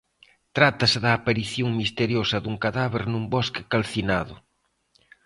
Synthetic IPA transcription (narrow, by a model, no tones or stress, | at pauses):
t̪ɾat̪ɐsɪðɐːpaɾiθjoŋmist̪eɾjosɐðuŋkaðaβeɾnumbɔskɪ̥kalθinaðʊ